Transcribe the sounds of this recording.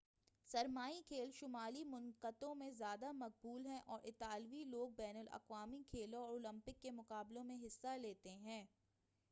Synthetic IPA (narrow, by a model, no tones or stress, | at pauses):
sɐɾmaːikʰeːlʃʊmaːlimʊnqət̪õmẽzjaːd̪amɐq̚buːlɦɛ̃ʔɔːɾʔɪt̪aːlʋiloːɡ̚bɛːnəlɐ̰qʋaːmikʰeːlõɔːɾoːlə̃mpɪkːemʊqaːblõmẽɦɪsːaleːt̪eɦɛ̃ː